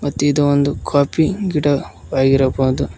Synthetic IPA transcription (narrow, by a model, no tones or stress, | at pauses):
mɐt̪ːuid̪ɐond̪ukʰaːpiɡiɽɐʋaːɡiɾɐboːd̪u